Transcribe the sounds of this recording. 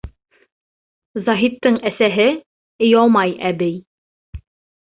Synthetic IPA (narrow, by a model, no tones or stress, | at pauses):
zɑɦit̪ːɤɴæsæɦɘ | ɘ̆jɑlˠmɑjæbɘj